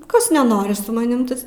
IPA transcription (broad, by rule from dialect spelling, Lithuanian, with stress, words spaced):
ˈkɐs nʲɛˈnoːrʲɪ sʊ mɐˈnʲɪm ˈtɐs